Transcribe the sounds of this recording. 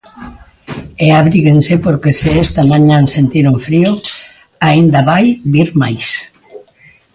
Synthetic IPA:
eaβɾiɣensepoɾkesɪest̪amaɲãnsent̪iɾuɱfɾio | aind̪aβajβiɾmajs

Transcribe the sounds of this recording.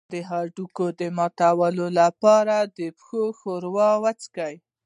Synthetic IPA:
d̪əɦɑɖukod̪əmɑt̪awəlolapɑɾad̪əpxoxoɾwɑwat͡skaj

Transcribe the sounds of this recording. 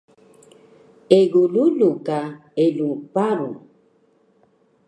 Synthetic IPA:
eɡululukaelupaɾṵ

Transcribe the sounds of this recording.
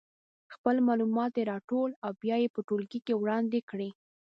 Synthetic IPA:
xpəlmɑlumɑt̪eɾɑʈolawbjɑjepəʈolɡikewɽɑnd̪ekɽi

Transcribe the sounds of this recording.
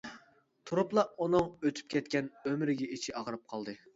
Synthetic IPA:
t̪ʰuɾuplˠɑʔunɨŋøt̪ʰy̥p̚kʲɛt̪kʲɛnømɾɪɡʲɛit͡ʃʰiʔɑʁəɾɨp̚qʰɑlˠd̪ɨ

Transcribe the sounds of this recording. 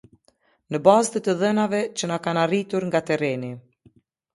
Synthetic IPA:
nəbazt̪ət̪əðɛnavɛt͡ɕənakanarit̪uɾŋɡat̪ɛɾɛni

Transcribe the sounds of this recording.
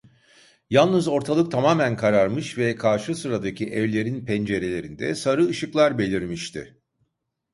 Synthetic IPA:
jalˠnɯzo̞ɾt̪ʰalˠɯk̚t̪ʰamaːmænkʰaɾaɾmɯʃvɛkʰaɾʃɯsɯɾad̪acʰiʔɛvlʲe̞ɾinpʰɛnd͡ʒe̞ɾe̞lʲe̞ɾind̪ɛ̰saɾɯːʃɯklˠaɾbe̞lʲiɾmiʃt̪ʰɪ̰

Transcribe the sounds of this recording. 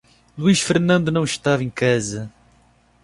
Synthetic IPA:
lˠuiʃfɨɾnɐ̃nd̪unɐ̃w̃ʃt̪avẽkazɐ

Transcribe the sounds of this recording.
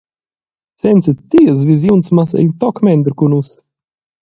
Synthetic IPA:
t̪sɛnsit̪ːiəs̬viz̬junt̪smasɛ̰t̪ɔkmɛnd̪ɾkunus

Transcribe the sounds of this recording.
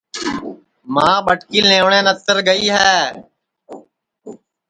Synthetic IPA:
mãːɓəʈkiːlẽːʋɳẽːnət̪əɾɡəiːɦɛː

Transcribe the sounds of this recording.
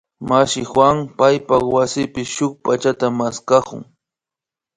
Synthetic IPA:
maʃɪxwaŋpajpawasɪpɪʃʊk̚pat͡ʃat̪amaskakʊ̰ŋ

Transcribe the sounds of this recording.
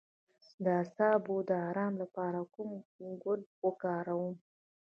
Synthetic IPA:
d̪əasɑbod̪əɑɾɑmlapɑɾakʊmɡʊɳwəkɑɾawum

